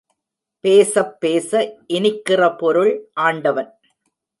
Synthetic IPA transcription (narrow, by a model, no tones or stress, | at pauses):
peːsɐpːeːsɐʔɪnɪkːɪrɐpɔɾɯɭʔaːɳɖɐʋɐn